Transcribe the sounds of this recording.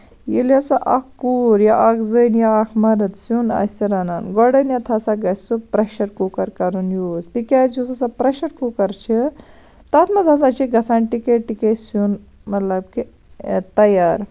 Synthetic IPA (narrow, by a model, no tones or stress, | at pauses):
jilasaʔɐkkuːɾjaʔɐkzənjaːkʰmɐɾɐt̪sunɐ̰sɐɾɐnanɡɔɽɐnjɐt̪ʰasaɡɐsʲt͡supɾɐʃɐɾkukɐɾkɐɾunjuːst̪ikʲat͡sjuzɐsapɾɐʃɐɾkukɐɾt͡ʃʰi | t̪at̪ʰmɐzazat͡ʃʰiɡɐsaːnʈikeʈikesun | mɐt̪lɐbki | t̪ɐjaːɾ